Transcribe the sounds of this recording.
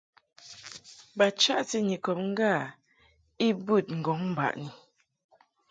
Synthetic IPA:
ba˨t͡ʃa˦ʔti˦ɲi˨kɔ˨p̚ŋ̩˦ɡa˦˨ | i˦bʉ˦˨t̚ŋ̩˨ɡɔ˨˦ŋm̩˨ba̰˨ʔni˨

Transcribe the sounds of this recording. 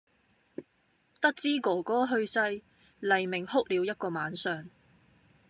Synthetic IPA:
t̪ɐ˥k̚t͡siː˥koː˨˩kɔː˨˥ɦɵ˧ɥsɐ˧j | lɐ˨˩jmɪ˨˩ŋhʊ˥k̚liː˨˧wjɐ˥t̚kɔː˧maː˨˥nsœː˨ŋ

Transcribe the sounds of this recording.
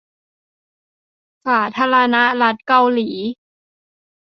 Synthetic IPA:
saː˩˦t̪ʰaː˧ɾa˧na˦˥la˦˥t̪̚ka˧wliː˩˦

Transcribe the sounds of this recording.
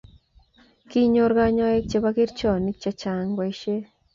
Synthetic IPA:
ki˦ɲo˨ɾɣa˦ɲa˦e˦kt͡ʃe˨βa˦ki˦ɾt͡ʃɔ˦˨ni˦t͡ʃa˨t͡ʃa˨ŋɡwa˨i˨˦ʃe˦

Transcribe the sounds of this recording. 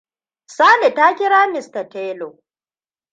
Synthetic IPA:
saː˦le˨ta˦kʲɪ˦ɽaː˦mɪ˨stɐ˨teː˦lo˨

